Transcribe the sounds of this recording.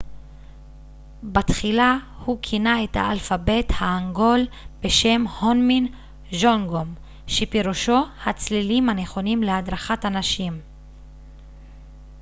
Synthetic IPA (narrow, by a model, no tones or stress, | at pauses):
bat̪χila | hukʰinae̞tha̰alfabe̞thaːŋɡo̞lbe̞ʃe̞mhonmin | ʒoŋɡo̞m | ʃepiʁuʃo̞hat͡slilimhane̞χo̞nimlead̪ʁaχatanaʃim